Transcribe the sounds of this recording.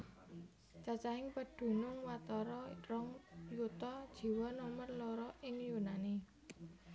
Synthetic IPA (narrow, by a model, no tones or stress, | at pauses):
t͡ʃat͡ʃaɦɪŋpəɖ̥ṳnʊŋwat̪ɔɾɔrɔŋjut̪ɔd̥ʒ̥i̤wɔnɔmərloɾɔʔɪŋjunani